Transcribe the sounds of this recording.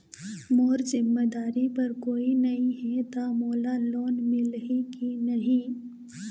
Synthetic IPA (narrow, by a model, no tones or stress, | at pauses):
moːɾzɪmːed̪aːɾipɐɾkoːinɐɦĩɦɛt̪amoːlaloːnmɪlikinɐɦĩː